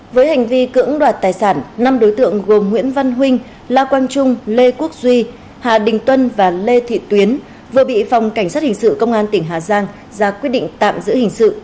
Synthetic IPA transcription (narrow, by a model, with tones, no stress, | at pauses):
vəː˨˦jha˨˩jŋ̟vi˧kɨ̰˧˥əŋɗwaː˨˩t̚t̪aː˨˩jsaː˧˩nːna˧mɗo˨˦jt̪ɨ̰˧˨əŋɣo˨˩mŋwḭ˧˥ənva˧nɦwï˧ŋ̟ | laː˧kwaː˧nt͡ɕʊ˧ŋ͡mle˧ku˦˥ək̚zwi˧ | haː˨˩ɗï˨˩ŋ̟t̪wə˧nvaː˨˩le˧t̪ʰḭ˧˨t̪wi˨˦ən | vɨ˨˩əɓḭ˧˨fa˨˩wŋ͡mka˧˩jŋ̟saː˦˥t̚hï˨˩ŋ̟sɨ̰˧˨kə˧wŋ͡mʔaː˧nt̪ï˧˩ŋɦaː˨˩zaː˧ŋ | zaː˧kwi˦˥ət̚ɗḭ̈˧˨ŋ̟t̪a̰ː˧˨mzɨ̰˧˥hï˨˩ŋ̟sɨ̰˧˨